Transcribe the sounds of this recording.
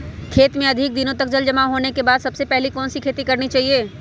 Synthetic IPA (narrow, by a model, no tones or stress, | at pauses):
kʰeːt̪mẽɐd̪ʱɪk̚d̪inõt̪ɐk̚d͡ʒɐld͡ʒɐmaɦoːnekebaːd̪sɐbsepɛɦlikɔːnsikʰeːt̪ikɐɾnit͡ʃaːɦieː